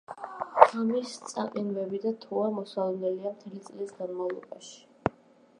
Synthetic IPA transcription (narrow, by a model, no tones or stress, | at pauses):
amist̪sʼa̰qʼinvɛbid̪at̪ʰuamɔsalˠdnɛliamt̪ʰɛlit̪sʼlisɡanmavlˠɔ̰baʃi̥